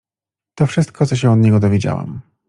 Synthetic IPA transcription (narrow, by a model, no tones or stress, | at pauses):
t̪ɔfʂɘst̪̚kʰɔt̪sɔɕ̬ɛ̃ɔd̪ɲɛɡɔd̪ɔvʲed͡ʑa̰wa̰m